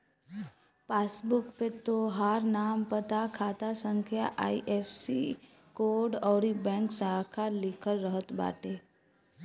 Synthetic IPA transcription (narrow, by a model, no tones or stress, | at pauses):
paːsbʊkpet̪oɦaːɾnaːmpət̪akʰaːt̪asə̃ŋkʰjaʔaːiʔepʰsḭ | koːɾɖɔːɾibɛ̃ːŋksaɦkʰalɪkʰəɾːəɦət̪ba̰ːʈeː